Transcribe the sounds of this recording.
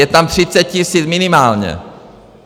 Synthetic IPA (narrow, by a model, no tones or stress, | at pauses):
ɛt̪amt̪r̥ɪt͡sɛt̪̚cisiːt͡smɪnɪmaːlɲɛ̰